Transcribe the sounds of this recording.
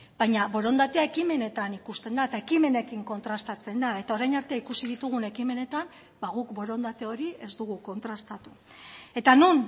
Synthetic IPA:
bajɲaβo̞ɾo̞nd̪at̪e̞ae̞kime̞ne̞t̪anikust̪e̞nd̪aet̪aekime̞ne̞kiŋko̞nt̪ɾast̪at͡se̞nd̪ae̞t̪aoɾajnaɾt̪eikusiðit̪uɣ̞une̞kime̞ne̞t̪am | baɣ̞ukbo̞ɾo̞nd̪at̪e̞o̞ɾie̞zd̪uɣ̞uko̞nt̪ɾast̪at̪u̥ | e̞t̪anun

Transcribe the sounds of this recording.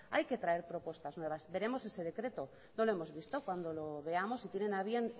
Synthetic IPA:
ajke̞t̪ɾae̞ɾpɾo̞po̞st̪aznwe̞β̞asbe̞ɾe̞mo̞se̞se̞ð̞e̞kɾe̞t̪o̞ | no̞lo̞emo̞zβist̪okwand̪o̞lo̞βe̞amo̞sit̪jenenaβjen

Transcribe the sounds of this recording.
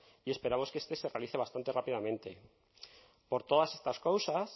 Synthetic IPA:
ie̞spe̞ɾamo̞ske̞st̪e̞se̞realiθe̞β̞ast̪ant̪erapið̞amẽ̞nt̪e̞ | po̞ɾt̪o̞ðase̞st̪askowsas

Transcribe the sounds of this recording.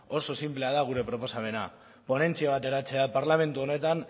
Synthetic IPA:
o̞so̞simple̞að̞aɣ̞uɾe̞pɾo̞po̞same̞na̰ | po̞ne̞nt͡siaβ̞at̪e̞ɾat͡se̞apaɾlame̞nt̪uo̞ne̞t̪an

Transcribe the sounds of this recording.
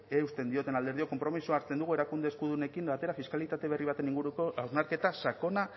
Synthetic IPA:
eust̪e̞nd̪io̞t̪e̞nald̪e̞ɾðio̞ko̞mpɾo̞misuaɾt͡se̞nd̪uɣue̞ɾakund̪eskuðune̞kimbat̪e̞ɾafiskalit̪at̪e̞β̞e̞riβ̞at̪e̞niŋɡuɾuko̞awznaɾke̞t̪asako̞na

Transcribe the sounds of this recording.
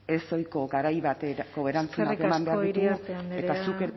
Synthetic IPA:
e̞so̞jko̞ɡaɾajβat̪eɡ̥o̞βe̞ɾant͡suakemambe̞aɾɾðit̪ue̞t̪asuke

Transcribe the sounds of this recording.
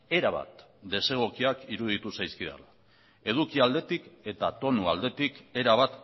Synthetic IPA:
e̞ɾaβ̞a̰t̪ | d̪e̞se̞ɣ̞okiakiɾuðit̪usajskiða̰la | e̞ð̞ukiald̪e̞t̪ike̞t̪at̪o̞nuald̪e̞t̪ike̞ɾaβ̞at̪

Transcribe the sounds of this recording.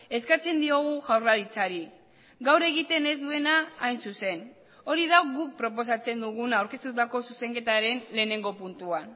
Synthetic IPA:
e̞skat͡se̞nd̪io̞ɣ̞uʝawɾlaɾit͡saɾi | ɡawɾe̞ɣit̪e̞ne̞zd̪ue̞naːjnsuse̞n | o̞ɾið̞aɣuk̚pɾo̞p̬o̞s̬at͡se̞nd̪uɣ̞unawɾke̞st̪ut̪ako̞suse̞ŋke̞t̪aɾe̞nle̞ːne̞ŋɡo̞punt̪uan

